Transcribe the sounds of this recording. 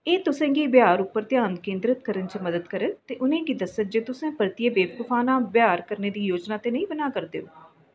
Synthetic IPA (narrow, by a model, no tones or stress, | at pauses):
eːt̪ʊsẽːɡiːbjaːɾʊpːəɾt̪ɪjaːnkẽːnd̪ɾət̪̚kəɾənt͡ʃəməd̪əd̪kəɾət̪eːʔʊnẽːkiːd̪əsəd͡ʒeːt̪ʊsẽːpəɾt̪ijeːbeːb̚kʊfʰaːnãːbjaːɾkəɾneːd̪iːjoːd͡ʒnaːt̪eːnəĩːbənaːkəɾd̪ḛːoː